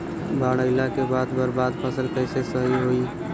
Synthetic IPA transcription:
baːɽəɪlakebaːd̪bəɾbaːd̪pʰəsəlkɛːsesəɦiɦoːi

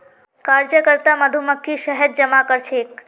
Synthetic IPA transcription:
kaɾd͡ʒəkəɾt̪aməd̪ʱuməkʰːiʃəɦəɾ̚d͡ʒəmakəɾt͡ʃʰeːk

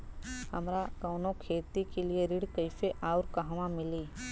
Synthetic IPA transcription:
hɐmɾakɔːnokʰeːt̪ikelieɾɪɽkəɪfeʔaːʊɾkɐɦʋãmɪliː

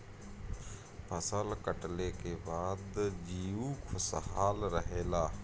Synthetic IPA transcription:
pʰəsəlkəʈlekebaːd̪d͡ʒiːukʰʊsɦaːlɾəɦeːlaː

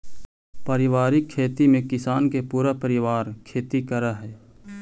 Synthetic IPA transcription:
pəɾɪʋaːɾɪkʰːeːt̪imẽkɪsaːnkepuːɾapəɾɪʋaːɾkʰeːt̪ikəɾaɦɛː

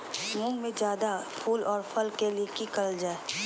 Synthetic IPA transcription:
mʊ̃ŋɡmẽd͡ʒjaːd̪apʰuːlɔːɾpʰəlkeliekikəld͡ʒaːe

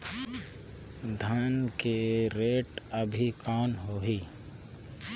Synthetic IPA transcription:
d̪ʱaːnkeɾeːʈəbʱikaːnɦoːɦiː

